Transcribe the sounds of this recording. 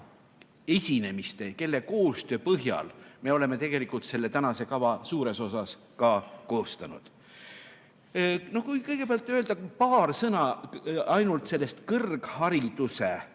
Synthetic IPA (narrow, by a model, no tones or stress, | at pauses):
e̞sʲine̞mist̪e̞ke̞lːe̞ko̞ːst̪ø̞ːpɤɦjɑ̰lme̞o̞le̞me̞t̪e̞ɡ̥e̞likult̪se̞lːe̞t̪ænɑse̞kɑvɑsuːɾe̞so̞sɑs | kɑːko̞ːst̪ɑnṵd̪̥ | no̞hkujkɤjɡ̥e̞peɑlt̪ːˑøːld̪̥ɑpɑːrsɤnɑɑjnult̪se̞lːe̞st̪kɤrɡ̥hɑɾid̪̥use